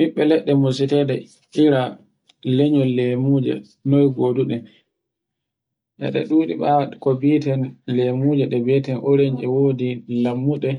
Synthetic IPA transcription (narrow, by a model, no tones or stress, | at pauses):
miɓːɛlɛɗːɛmos̬itɛdɛ | iɾa | leɲɔlemud͡ʒɛ̰ | nɔjɡoːduɗɛ | ʔɛ̰ɗɛ̰ɗuːɗḭɓakobitɛnlemuːd͡ʒɛɗɛbɛtɛnʔoɾeɲʔɛwoːdilamːuɗɛ